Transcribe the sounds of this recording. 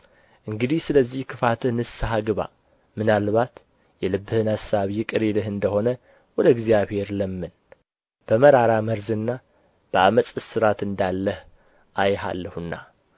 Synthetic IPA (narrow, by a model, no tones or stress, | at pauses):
ʔɨŋɡɨd̪ihsɨləzːihkʰɨfat̪ʰɨhnɨsaɦaɡɨβa̰ | mɨnalβat̪ | jɛlɨbːɨhɨnasːaβijɪkʼɨɾelɨɦɨnd̪əho̞nə | wɔd̪əɨɡzijaβhe̞ɾləmːɨn | b̥əməɾaɾaməɾzɨnːa | b̥əaməsʼɨsɨɾat̪ɨnd̪alːəh | ʔajɦa̰lːəhɨnːa̰